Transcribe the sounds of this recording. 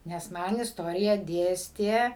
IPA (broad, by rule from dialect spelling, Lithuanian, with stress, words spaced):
nʲɛs ˈmɐn ɪsˈtoːrʲɪjæː ˈdʲeːsʲtʲeː